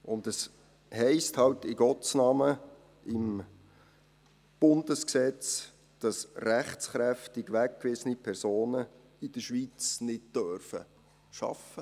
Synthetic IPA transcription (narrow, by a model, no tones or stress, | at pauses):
ʔʊndəs | hɛɪsthɑltɪɡ̥ɔt͡snɑːmə | ɪm | b̥ʊnd̥əsksɛt͡s | d̥ɑsræχt͡sχɾæftɪɡʋæk̚kʋɪsənipʰɛɾsoːnə | ɪd̥əʃʋit͡snɪd̚d̥œɾfə̰ | ʃɑ̰fə